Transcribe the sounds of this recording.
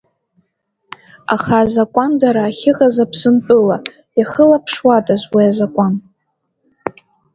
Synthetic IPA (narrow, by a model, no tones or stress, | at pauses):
a̰χaːzakʷʼandaɾaːχʲɪʁazapʰsɨnpʼɨla | jaχəlapʰʂwatʼazʷwiazakʷʼan